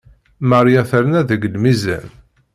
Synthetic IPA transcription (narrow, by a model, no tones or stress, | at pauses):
mæɾˤjaθəɾnæðəɡəlmizæ̰n